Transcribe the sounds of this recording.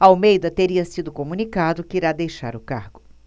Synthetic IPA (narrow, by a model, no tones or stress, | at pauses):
awmejd̪ɐt̪eɾiɐsid̪ʊkomũnikad̪ʊkɪiɾad̪ejʃa̰ɾʊka̰ɾɡʊ